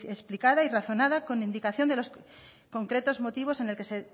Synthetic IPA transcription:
esplikaðairaθo̞nað̞ako̞nind̪ikaθjo̞nd̪elo̞s | ko̞ŋkɾe̞t̪o̞zmo̞t̪iβ̞o̞se̞ne̞lke̞se̞

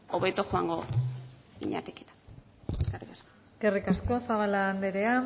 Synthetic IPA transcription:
oβet̪oxoaŋɡo̞ | ḭɲa̰t̪e̥ket̪ḁ | eskerikasko̥ske̞rikasko̞saβaland̪eɾe̞a

